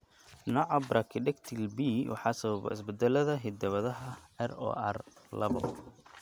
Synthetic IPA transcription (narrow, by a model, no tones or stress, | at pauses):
nɔʕɑbrʔɐkʰɪɖɛkt̪ʰilbiwɑ̰ħɑːsɐβɐβɛ̰ɪ̰sbɪd̪ɛlɐðɐɦɪd̪ɐβɐðɐɦɐɛrɔ̰ːʔɐ̰rlɐ̰βɐ̰